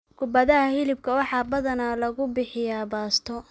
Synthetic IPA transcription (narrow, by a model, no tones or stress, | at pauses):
kʰʊbɐðɐhɐhɪlɪb̚kʰɐwɑħɑːbɐðɐnaːlɐɣʊbɪħɪjaːbaːst̪ʰɔ